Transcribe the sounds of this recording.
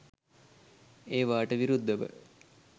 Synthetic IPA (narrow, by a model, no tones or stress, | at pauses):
eːʋaːʈəʋiɾud̪ːəʋə̰